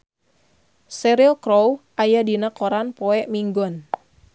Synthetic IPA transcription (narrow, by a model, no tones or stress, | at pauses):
sɛɾilkɾowʔajadinakoɾanpoɛʔmiŋɡɔn